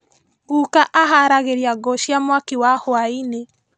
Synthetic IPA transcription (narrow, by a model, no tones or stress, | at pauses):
ɣukaʔaɦaɾaɣeɾiaɡɔʃiamwakiwahoaine